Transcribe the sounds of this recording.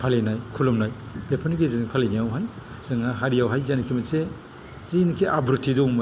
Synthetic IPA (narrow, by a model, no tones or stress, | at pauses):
pʰalenajkʰulɔmnaj | b̥epʰanɡezinpʰalenijawɦaj | z̥ɯŋaɦaɾijawɦajzankʰimɐse | zinkʰiʔabɾutʰidɔŋmɐ